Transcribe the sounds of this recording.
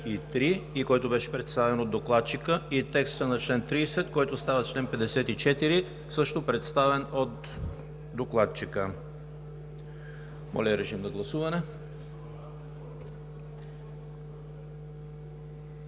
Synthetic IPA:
it̪ɾiikɔjt̪obɛʃɛ̥pɾɛt̪st̪avɛnod̪oklˠat̪̚t͡ʃikəit̪ɛkst̪ənɐt͡ʃlɛnt̪ɾisɛt̪kɔjt̪ost̪avət͡ʃlɛnpɛd̪ɛsɛt̪it͡ʃɛt̪iɾi | sɤʃt̪opɾɛt̪st̪avɛnot̪ | d̪oklˠat̪t͡ʃikə | mʔɔ̰lʲɐɾɛʃimnɐɡlˠɐsuvɐnɛ

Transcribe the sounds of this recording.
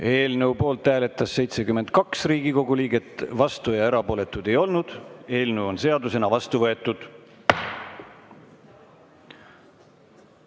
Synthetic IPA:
e̞ːlnɤwpo̞ːlt̪ːˑæːle̞t̪ːˑɑsːe̞jt̪sekymːe̞nt̪̚kɑksriːɡiko̞ɡuliːɡe̞t̪vɑst̪ujɑeɾɑpo̞ːlet̪ːˑud̪̥e̞jo̞lnud̪̥e̞ːlnɤwo̞nse̞ɑd̪use̞nɑvɑst̪uvɤe̞t̪ːˑud̪̥

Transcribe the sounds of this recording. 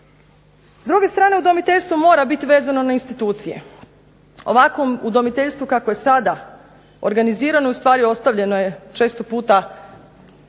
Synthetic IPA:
zd̪ɾuɡe̞st̪ɾaːne̞ud̪o̞mit̪eʎʲst̪ʋomo̞ːɾabit̪iʋeːzano̞nainst̪it̪uːt̪sijḛ | o̞̰ʋakʋomud̪o̞mit̪eʎʲst̪ʋukakoje̞sad̪a | o̞̰ɾɡaniziːɾanojust̪ʋaːɾio̞st̪aʋʎe̞noje̞t͡ʃe̞ːst̪opuːt̪a

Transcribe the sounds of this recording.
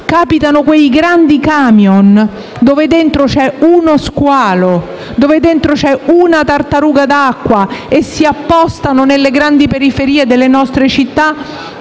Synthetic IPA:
kaːpit̪anokwejɡɾand̪ikaːmjon | d̪oːved̪ent̪ɾot͡ʃɛunoskwaːlo | d̪oːved̪ent̪ɾot͡ʃɛunat̪art̪aɾuːɡad̪akːwaesːiapːɔst̪anonelːeɡɾand̪ipeɾifeɾiːed̪elːenɔst̪ɾet͡ʃit̪ːa

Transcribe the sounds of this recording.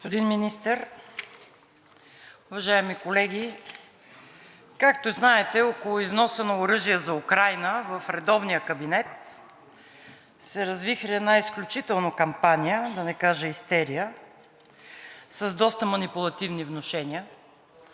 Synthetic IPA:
ospod̪inminist̪əɾ | ʊvɐʒaɛmikolɛɡʲi | kakt̪oznaɛt̪ɛɔkolˠʊiznɔsənɐʊɾɤʒijəzɐukɾajnəvəfɾɛd̪ɔvnijəkəbinɛt̪ | sɛɾɐzvixɾɛɛdnaisklʲut͡ʃit̪ɛlˠnokɐmpanijəd̪ɐnɛkaʒəist̪ɛɾijə | səzd̪ɔst̪əmɐnipʊlˠɐt̪ivnivnoʃɛnʲiə

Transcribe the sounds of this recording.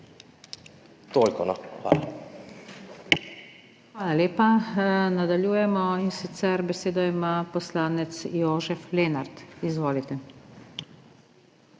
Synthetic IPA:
t̪olkɔnɔxʋa̰ːla | xʋaːlaleːpanad̪aljuːjɛmɔinsit̪sɛɾbɛseːd̪ɔimapɔslaːnɛt̪sjoːʒɛfleːnaɾt̪izʋoːlit̪ɛ

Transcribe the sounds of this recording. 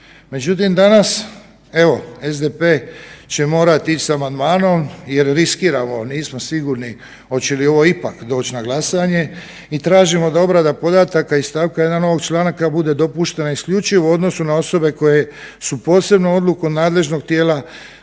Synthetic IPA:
me̞d͡ʑut̪imd̪anas | e̞ʋo̞e̞zd̪epe̞ːt͡ɕe̞mo̞ːɾat̪it͡ʃsamand̪maːno̞mje̞ɾɾiskiːɾamoniːsmosiɡuɾni | o̞t͡ɕelio̞ʋo̞ipakd̪o̞ːt͡ɕnaɡlasaɲe̞ | it̪ɾaːʒimo̞d̪ao̞bɾad̪apo̞d̪at̪akaist̪aːʋkaje̞d̪ano̞ʋo̞ɡt͡ʃlˠaːnakabud̪e̞d̪o̞puʃt̪e̞naiskʎut͡ʃiʋuo̞d̪no̞sunao̞so̞be̞ko̞je̞ | supo̞ːse̞bnoo̞d̪lukod̪naːd̪le̞ʒno̞ɡ̚t̪jeːla

